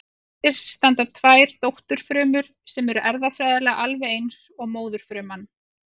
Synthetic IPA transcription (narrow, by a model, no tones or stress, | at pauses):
ɪ̥st̪ant̪at̪ʰvaːjɾ̥t̪owht̪ʏɾ̥fɾʏːmʏɾ̥sɛmɛɾʏʔɛɾðafɾajðalɛɣaʔalvɛejnsɔɣmoːwðʏɾ̥fɾʏːman